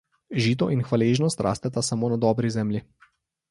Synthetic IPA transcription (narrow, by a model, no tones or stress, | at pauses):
ʒiːt̪̬ɔʔinxʋaleʒnɔst̪ɾʔa̰ːst̪ɛt̪asamoːnad̪ɔːbɾizɛːmlʲji